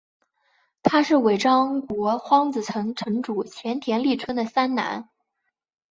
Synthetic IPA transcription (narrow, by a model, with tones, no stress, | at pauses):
t̪ʰa˥ʂɻ̩˥˩we˨˩ɪʈ͡ʂɑ˥ŋkwɔ˧˥xwɑ˥ŋt͡sɹ̩˨˩t͡sʰɤ˧˥ŋʈ͡ʂʰɤ˧˥ŋʈ͡ʂu˨˩t͡ɕʰjɛ˧˥nt̪ʰjɛ˧˥nli˥˩ʈ͡ʂʰwə˥nd̪ə˨sa˥nna̰˧˥n